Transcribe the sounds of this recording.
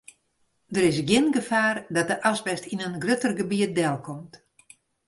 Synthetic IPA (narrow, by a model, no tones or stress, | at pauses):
dəɾɪs̬ɡjɪnɡəfaːrdɔt̚dəʔasbɛstinənɡrøtərɡəbiət̚dɛlˠkʰɔmt